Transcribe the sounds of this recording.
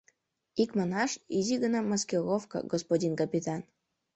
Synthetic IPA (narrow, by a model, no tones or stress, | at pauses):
ikmanɑʂizʲiɡənamaskʲelofka̰ɡospodʲinkapʲit̪an